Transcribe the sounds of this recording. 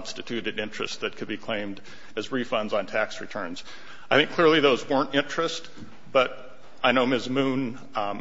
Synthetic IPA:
nstɨtʰʉɾɨɾɪ̃nt͡ʃɹ̥ɨ̰st̪̚ðɨt̚kʰɨd̚bikʰl̥ẽɪ̃md | ɨzɹifʌ̃ndzn̩tʰæksɹɨtʰɜ̃˞nz̥ | aɪθɪ̃ŋkʰlɪɹlˠiðoʊzwɜ̃˞ntɪ̃nt͡ʃɹ̥ɨst | b̥ʌɾ | aɪnoʊmɪzmũn

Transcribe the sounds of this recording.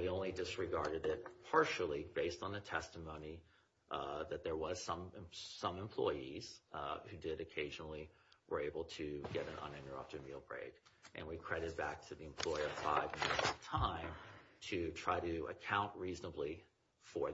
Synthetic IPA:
wiõʊ̃nlidɨsɹɨɡɑɹɾɨɾɪt̚pʰɑɹʃl̩ˠibeɪstn̩ɨtʰɛstəmõʊ̃ni | ðɨt̪̚ðə˞wʌz̥sʌ̃m̃sʌ̃mə̃mpʰl̥ɔ̰ɪiz̥hʉdɪɾɨkʰeɪʒnl̩ˠi | wə˞eɪbl̩ˠtʰɨɡɛɾɨ̰̃nʔʌ̰̃nɪ̃nə˞ʌ̰p̚tɨd̚milˠbɹḛɪkʔɨ̰̃nwikʰɹ̥ɛɾɨd̚bæk̚tʰɨðiɨ̃mpʰl̥ɔɪ˞ʌv̥fa̰ɪvmɪnɨsʌ̥tʰãɪ̃mtʰɨtʰɹ̥aɪɾɨə̰kʰãʊ̃nʔɹiznəbli | fə˞

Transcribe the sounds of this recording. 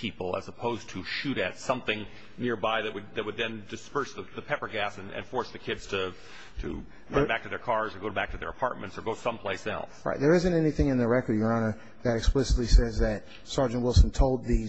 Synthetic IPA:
pʰipl̩ˠə̰zəpʰoʊz̥tʰɨʃʉɾɨtsʌ̃mθɪ̃ŋ | nɪɹbaɪðɨʔ̚wɨd̚ðɨt̚wəd̪̚ðɨ̃ndɨspɜ˞sðəðɨpʰɛpə˞ɡæsɨ̃nɨ̰̃nfɔɹsðɨkʰɪdz̥tʰɨ | ɾʰɨ̰ | ɡobæk̚tʰɨðə˞kʰɑɹzə˞ɡoʊbæk̚tʰɨðə̰˞əpʰɑ̰ɹt̚mɨ̃ntsə˞ɡoʊɾsʌ̃mpʰl̥eɪsɛ̰lˠsɹa̰ɪt̪̚ðə˞ɪzɨ̃ntɛniθɪ̃ŋɨ̃nðɨɹɛkə˞djə˞ɑnə˞ | ðɨɾɨksplɪsətˡlisɛzðɨt̚ | sɑɹd͡ʒɨ̃nʔwɪlˠsn̩tʰoʊlˠd̪̚ði

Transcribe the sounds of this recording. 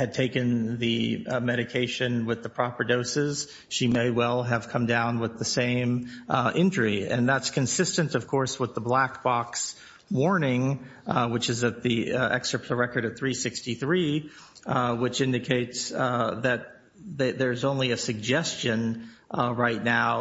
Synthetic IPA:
hɨd̚tʰeɪkɨ̃nðɨmɛɾɨkʰeɪʃɨ̃nwɨðəpʰɹ̥ɑpə˞doʊsɪz̥ | ʃimeɪwɛlˠɨv̥kʰʌ̃mdãʊ̃nwəðɨsẽɪ̃mʔɪ̃nd͡ʒə˞iɨ̰̃nðætskʰɨ̃nsɪstɨ̃ntʌv̥kʰɔɹswəðəblæk̚b̥ɑks | wɔɹnɪ̃ŋ | wɨt͡ʃɨzɨt̪̚ðiɛ̰kstɹ̥əpʰləɹɛkə˞ɾʌv̥θɹisɪkstiθɹi | wɨt͡ʃɪ̃ndɨkʰeɪtsðɨt̪̚ | ðɨðə˞zõʊ̃nliɨsɨɡ̚d͡ʒɛst͡ʃɨ̃n | ɹaɪtⁿnaʊ

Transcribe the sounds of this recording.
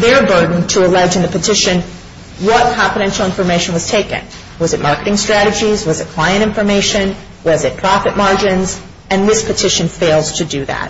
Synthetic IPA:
ðə˞bɜ˞dⁿn̩tʰəəlɛd͡ʒɨ̃n̩ðɨpʰɨtʰɪʃɨ̃n | wʌt̚kʰɑ̃ɱfɨɾɛ̃nʃl̩ˠɪ̃ɱfə˞meɪʃɨ̃n̩wʌz̥tʰeɪkɨ̰̃n | wʌzɨt̚mɑɹkəɾɪ̃ŋstɹ̥æɾɨd͡ʒizwʌzɨt̚kʰl̥aɪɨ̃ɾ̃ɪ̃ɱfə˞meɪʃɨ̃n | wʌzɨt̚pʰɹ̥ɑfɨt̚mɑɹd͡ʒɨ̃nz | ɨ̃nðɪspʰɨtʰɪʃɨ̃nfeɪlˠdz̥tʰɨdɨðæ̰t̚

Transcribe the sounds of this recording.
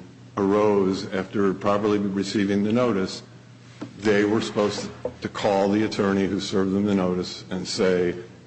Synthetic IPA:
ə˞oʊzæftə˞pʰɹ̥ɑpə˞lˠiɹɨsivɪ̃ŋðɨnoʊɾɨs | ðeɪwə˞sə̥poʊz̥tʰɨkʰɔlˠðiɨtʰɜ̃˞ñihʉsɜ˞vðə̃mðɨnoʊɾɨsɨ̃nseɪ

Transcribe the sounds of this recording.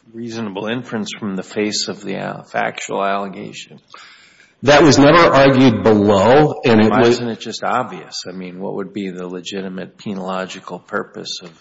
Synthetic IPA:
ɹiznəbl̩ˠɪ̃ɱfɹɨ̃nsfɹʌ̃mðɨfeɪsʌvðḭæ̰fæ̰k̚t͡ʃul̩ˠælˠəɡeɪʃɨ̃n | ðɨʔ̚wʌznɛvə˞ʔɑɹɡjʉd̚bəloʊɨ̃nɪʔwʌzɨ̃nɨt̚d̥ʒ̥ʌstɑ̰bviɨ̰saɪmĩnwʌ̰ʔwə̰d̚biðəlɨd͡ʒɪɾɨmɨt̚pʰinəlɑd͡ʒɨkʰl̩ˠpʰɜ˞pɨ̰sʌv̥

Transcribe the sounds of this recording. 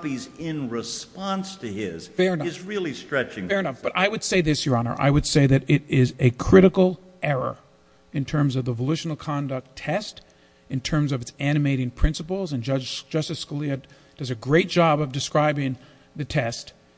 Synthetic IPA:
pizɪ̃nɹɪspɑ̃nstʰɨɪz̥fɛɹɨnzɹɪlˠistɹ̥ɛt͡ʃɪ̃ŋfɛɹɨ̃nʌfb̥ʌɾʔa̰ɪwɨd̥seɪðɪsjə˞ɑnə̰˞ʔa̰ɪwɨd̥seɪðɨɾɪɾɪzɨkʰɹ̥ɪɾɨkl̩ˠ | ʔɛɹə̰˞ | ɨ̃ntʰɜ̃˞mzʌvðəvəlʉʃn̩l̩ˠkʰɑ̃ndʌk̚tʰɛst | ɨ̃ntʰɜ̃˞mzʌvɨtsæñɨmeɪɾɪ̃ŋpʰɹ̥ɪ̃nsəpl̩ˠzɨ̃nd͡ʒʌd͡ʒd͡ʒʌstɨ̥skəliɨ | d̥ʌzɨɡɹeɪt̚d̥ʒ̥ɑbʌvdɨskɹaɪbɪ̃ŋ | ðɨtʰɛst

